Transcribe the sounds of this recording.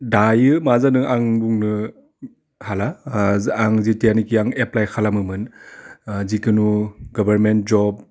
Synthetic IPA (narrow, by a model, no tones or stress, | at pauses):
dajɯmazanɯŋʔaŋbuŋnɯ | hala | aŋzitijanikiaŋeplajkʰalamɯmɯn | zikɯnuɡɔbʱaɾment̚zɔb̚